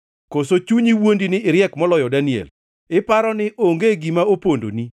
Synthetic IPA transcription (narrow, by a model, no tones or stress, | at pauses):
kosot͡ʃuɲiwondinɪɪɾjɛkmɔlɔjɔdaniɛ̰l | ɪpaɾɔnɪʔoŋɡeɡimaopondo̰ni